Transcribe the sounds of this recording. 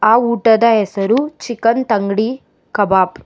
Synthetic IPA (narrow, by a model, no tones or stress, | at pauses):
aːuːʈɐd̪ɐɦɛsɐɾut͡ʃikɐnt̪ɐŋɡɽi | kɐbaːp